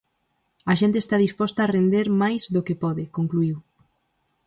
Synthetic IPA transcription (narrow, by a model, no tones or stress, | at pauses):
ɐʃent̪eːst̪aðispɔst̪ɐːrend̪eɾmajzðokepɔðɪkoŋkluiw